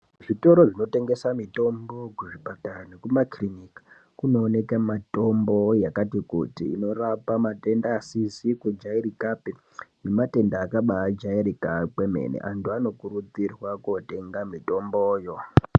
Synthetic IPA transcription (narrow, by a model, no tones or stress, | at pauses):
ʐito̞ɾo̞ʐino̞te̞ŋɡesamito̞mbo̞kuʐibatanekumakrinikḁ | kuno̞ːne̞kamato̞mbo̞jakatikṵtḭːno̞rapamate̞ndaːsisikud͡ʒaiɾikape | ne̞mate̞ndaːkaɓaːd͡ʒaiɾikakeme̞̰nḛʔantuano̞kuɾut͡sirwakote̞ŋɡamito̞mboːjo̞